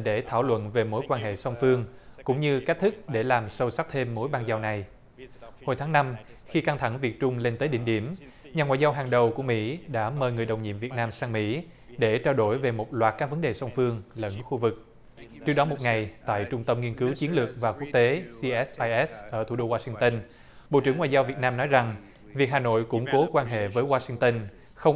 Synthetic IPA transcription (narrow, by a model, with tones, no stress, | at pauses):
ɗe˧˩t̪ʰaː˧˩wlwə̰˧˨nve˨˩mo˨˦jkwaː˧nɦḛ˧˨sə˧wŋ͡mfɨ˧əŋkʊ̰˧˥ŋ͡mɲɨ˧ka˦˥k̚t̪ʰɨ˦˥k̚ɗe˧˩laː˨˩msə˧wsa˦˥k̚t̪ʰe˧mːo˨˦jɓaː˧nzaː˧wna˨˩j | ho˧jt̪ʰːŋna˧m | xi˧ka˧ŋt̪ʰa˧˩ŋvi˨˩ət̚t͡ɕʊ˧ŋ͡mle˧nt̪əː˨˦jɗḭ˧˨ŋ̟ɗi˧˩əm | ɲaː˨˩ŋwa̰ː˧˨jzaː˧wɦaː˨˩ŋɗə˨˩wku˧˩əmḭ˧˥ɗa̰ː˧˥məː˨˧˩jŋɨ˨˩əjɗə˨˩wŋ͡mɲḭ˧˨əmvi˨˩ət̚naː˧msaː˧ŋmḭ˧˥ | ɗe˧˩t͡ɕaː˧wɗo˧˩jve˨˩mo˨˩t̚lwaː˨˩t̚kaː˦˥k̚və˨˦nɗe˨˩sə˧wŋ͡mfɨ˧əŋlə̰˧˥nxu˧vɨ˨˩k̚ | t͡ɕɨ˦˥əɗɔ˨˦mo˨˩t̚ŋa˨˩jt̪a̰ː˧˨jt͡ɕʊ˧ŋ͡mt̪ə˧mŋi˧ənkɨ˨˦wt͡ɕi˨˦ənlɨ˨˩ək̚vaː˨˩ku˦˥ək̚t̪e˨˦si˧ʔɛ˦˥sʔaː˧jʔɛ˦˥sʔəː˧˩t̪ʰu˧˩ɗo˧waː˧sï˧ŋt̪ə˧n | ɓo̰˧˨t͡ɕɨ˧˩ŋwa̰ː˧˨zaː˧wvi˨˩ət̚naː˧mnɔ˨˦jza˨˩ŋ | vi˨˩ək̚ɦaː˨˩no̰˧˨jkʊ̰˧˥ŋ͡mko˨˦kwaː˧nɦḛ˧˨vəː˨˦jwaː˧sï˧ŋt̪ə˧n | xə˧wŋ͡m